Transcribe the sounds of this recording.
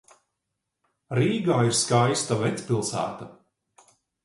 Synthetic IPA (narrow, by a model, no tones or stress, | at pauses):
ɾiːɡaːiɾskajst̪avɛt̪spilˠsæ̰ːt̪a